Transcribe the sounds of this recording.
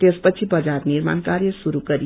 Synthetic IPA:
t̪espət͡sʰibʌd͡zaɾniɾma̰nkaɾjəsuɾukəɾi

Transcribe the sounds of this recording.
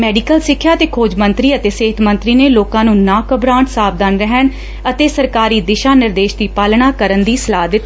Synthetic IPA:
mɛːɖikəlsɪkʰːjaːt̪eːkʰoːd͡ʒmə̃nt̪ɾiːət̪eːseːɦt̪ʰmə̃nt̪ɾiːneːloːkãːnũːnãːkəbɾãːɳʈsaːb̚d̪aːnɾɛɦəɳ | ət̪eːsəɾkaːɾiːd̪ɪʃaːnɪɾd̪eːʃd̪iːpaːlɳaːkəɾənd̪iːsəlaːd̪ɪt̪ː

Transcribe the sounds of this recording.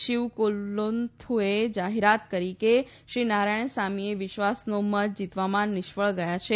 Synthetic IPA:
ʃiʋkolont̪ʰued͡ʒaɦeɾat̪kəɾike | ʃinaɾaɳ̃samieʋɪʃʋasnomət̪d͡ʒit̪ʋamãnɪʃʋəɭɡəjat͡ʃʰe

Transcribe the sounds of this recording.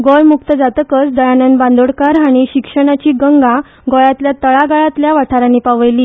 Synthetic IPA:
ɡɔɭmuk̚t̪əd͡zat̪əkət͡sd̪əjanənbãnd̪oɽkaɾaɽ̃iɕikʂəɽ̃at͡ɕiːɡəŋɡa | ɡɔɭat̪ljat̪əɭaɡaɭat̪ljaʋaʈ̪ʰaɾanipaʋəjliː

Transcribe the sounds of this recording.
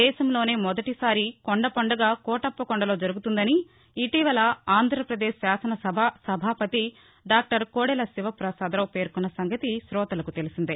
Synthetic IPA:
ɛːʃɐmlo̞ːne̞ːmɔd̪ɐʈisaːɾikɔɳɖɐpɐɳɖɐɡaːkɔːʈɐpːɐkɔɳɖɐlo̞ːd͡ʒɐɾuɡut̪und̪ɐniː | t̪iːʋɐlɐaːnd̪ʱɾɐpɾɐd̪eːʃsaːsɐnɐsɐbʱasɐbʱaːpɐt̪i | ɖaːk̚ʈɐɾkoːɽɛlɐsiʋɐpɾɐsaːd̪ɐloːpe̞ːɾkunːɐsɐŋɡɐt̪isɾɔːt̪ɐlɐkut̪e̞lusind̪i

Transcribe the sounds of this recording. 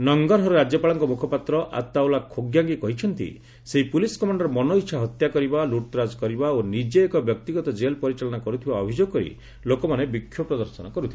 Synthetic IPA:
nɔŋɡɔɾɦɔɾɔɾad͡ʒjɔpaɭɔŋkɔmukʰɔpat̪ɾɔʔa̰t̪ːawlakʰoɡjaŋɡikɔɦit͡ʃʰɔnt̪ḭ | seɦipuliskɔmaɳɖɔɾɔmɔnoitːʃʰaɦɔt̪jakɔɾibaluʈ̪ɾad͡ʒkɔɾibaonid͡ʒeːkɔbjɔkt̪iɡɔt̪ɔd͡ʒelpɔɾit͡ʃalɔnɔkɔɾut̪ʰibaɔbʱid͡ʒoɡ̚kɔɾḭ | lokɔmanebikʰːjɔpɾɔd̪ɔɾsɔnɔkɔɾut̪ʰii

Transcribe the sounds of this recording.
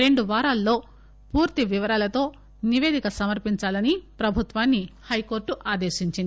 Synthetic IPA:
ɾe̞ɳɖuʋaːɾaːlːo̞ː | puːɾt̪iʋiʋɐɾaːlɐt̪o̞ː | niʋe̞ːd̪ʱikɐsɐmɐɾpiɲt͡ʃaːlɐnipɾɐbʱut̪ʋaːnːihɐjko̞ːɾʈuʔaːd̪e̞ːʃiɲt͡ʃind̪i

